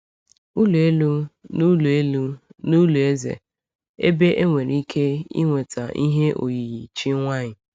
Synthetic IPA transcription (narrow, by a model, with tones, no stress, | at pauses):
u˦lu˨e˦lu˦nu˦lu˨e˦lu˦nu˦lu˨e˦zḛ˨ | ḛ˦be˦ʔe˦ŋʷe˨ɾi˦kʰe˦ḭ˦ŋʷe˨ta˨i˦ɦe˦ʔo̰˨ji˨ɣi˨t͡ʃi˦ŋʷa˦ɲɪ˨